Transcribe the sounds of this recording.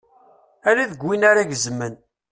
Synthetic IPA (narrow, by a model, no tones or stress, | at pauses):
æɾiðəɡwinaɾaʝəzəmːən